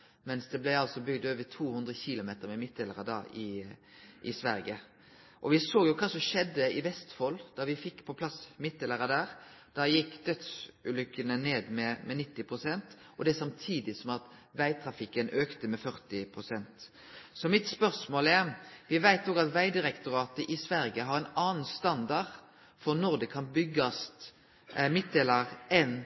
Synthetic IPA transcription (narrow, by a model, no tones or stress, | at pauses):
mɛnsd̪ɛblæɪɑlsɔbʏɡd̪øːʋət̪ʰuːhʉnd̪ɾʁəçiːlʊmeːt̪əɾmɛmɪt̪̚d̪eːləʁəd̪ɑ̰ːɪ | ʔɪ̰sʋæɾɡə | ʔɔʋɪsoːjʊkʰɑːsɔmʃɛd̪ːəɪʋɛst̪fɔld̪̥ɑʋɪfɪkːpʰɔpʰlɑsmɪt̪̚d̪ɛləʁəd̪æːʁd̪̥ɑjɪkːd̪œt̪sʉːlʏkːənəneːd̪mɛmʔɛnɪt̪ːɪpʰʁʊsɛnt̪ | ʔɔd̪ɛɛsɑmt̪ʰiːd̪ɪsɔmɑt̪ʋæɪt̪ʰɾɑfɪkːənøːkt̪əmɛfœʁt̪ɪpʰɾʊsɛnt̪ | sɔmɪt̪spœʁsmoːlɛʋɪʋæɪt̪oːɡɑt̪ʋæɪd̪ɪɾɛkt̪ʊɾɑːt̪əʔɪsʋæɾjəɦɑɾɛɪnɑːnn̩st̪ɑnd̪ɑʁ | fɔʁnɔʁd̪ɛkʰɑnbʏɡːɑst̪ | mɪt̪̚d̪eːlɑʁɛn